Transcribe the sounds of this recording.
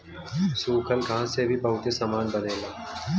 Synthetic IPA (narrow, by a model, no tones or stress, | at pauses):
suːkʰəlɡʱãːsebʱipɐɦʊt̪esamaːnbəneːlaː